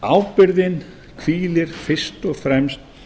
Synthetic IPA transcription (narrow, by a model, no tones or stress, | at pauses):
a̰wpɪɾðɪn | kʰv̥iːlɪɾ̥fɪ̥st̪ɔɣfɾɛmst̪̚